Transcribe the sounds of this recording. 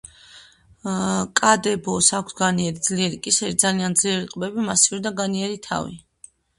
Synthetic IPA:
kʼad̪ɛbɔsakʷʰsɡaniɛɾid̪z̥liɛɾikʼisɛɾid̪zaliand̪zliɛɾiqʼbɛbimasivɾid̪aɡaniɛɾit̪ʰa̰vḭ

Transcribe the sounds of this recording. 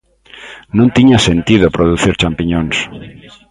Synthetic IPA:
nũnt̪iɲasẽnt̪iðopɾoð̞uθiɾt͡ʃampiɲõns

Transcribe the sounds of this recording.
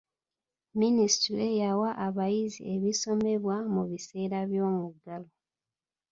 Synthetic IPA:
minisi̥tɾiejawaʔːβajizḭeβiso̞me̞βwamuβise̞ːɾaβjo̞ːmuɡalo

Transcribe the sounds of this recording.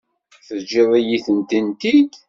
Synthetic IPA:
θəd͡ʒiðˤijiθənt̪int̪ik

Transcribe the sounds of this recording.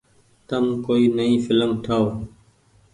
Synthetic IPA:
t̪əmkoːiːnəĩːfɪləmʈʰəoː

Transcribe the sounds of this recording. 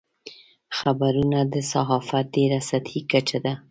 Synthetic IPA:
xabaɾunad̪əsaɦɑfat̪̚d̪eɾasat̪ʰhikat͡ʃad̪a

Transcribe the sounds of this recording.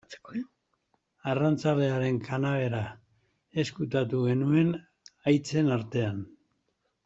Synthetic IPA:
t͡s | arant͡sale̞aɾe̞ŋkʰanaβe̞ɾa | e̞skut̪at̪uɣe̞nue̞n | ajt͡se̞naɾt̪e̞an

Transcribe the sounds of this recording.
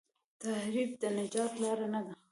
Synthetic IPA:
t̪ahɾib̚d̪ənɪd͡ʒɑt̪lɑɾanad̪a

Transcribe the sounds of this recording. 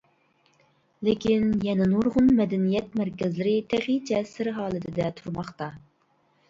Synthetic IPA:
lɪkʲinjɛnɪnoɾʁʊnmɛd̪ɛnijɛt̪mæɾkʲɛzlɪɾɪt̪ʰæʁid͡ʒɛsɪɾɦɑːlˠɨt̪ʰɪd̪ɛt̪ʰuɾmɑχt̪ɑ

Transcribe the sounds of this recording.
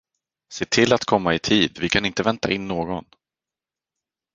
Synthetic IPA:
seːt̪ʰɪlːat̪kʰɔmːaɪt̪ʰiːd̪vɪkʰanɪnt̪əvɛnt̪a̰ʔɪnːoːɡɔn

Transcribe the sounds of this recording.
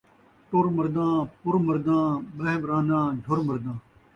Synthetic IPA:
ʈoɾməɾd̪ãːpʊɾməɾd̪ãːbɾəɦbɾãːnãːd͡ʒʱoɾməɾd̪ãː

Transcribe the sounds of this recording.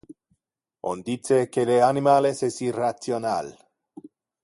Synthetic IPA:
o̰nd̪it͡sekeleanimalesesirat͡sjona̰l

